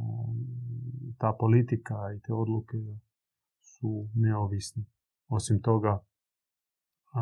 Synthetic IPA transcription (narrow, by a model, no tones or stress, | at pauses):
t̪aːpo̞lit̪ikait̪eːo̞d̪luke | suneoʋisne | o̞simt̪o̞ɡa